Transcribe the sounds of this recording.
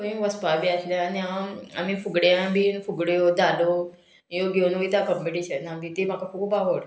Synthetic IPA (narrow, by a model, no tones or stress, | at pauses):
oĩʋəspabiaslaaniãa̰mifuɡɽeãbifuɡɽeod̪alo | joɡenoʋit̪akəmpiʈiɕənamit̪em̤akafukbaɦoɽ